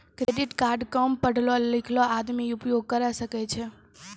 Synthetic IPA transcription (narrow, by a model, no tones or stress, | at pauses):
kɾeɖiʈkaɾɖkəmpəɽ̤ʱlɔlikʰlɔad̪miupjoɡ̚kəɾasəkɛt͡ʃʰɛ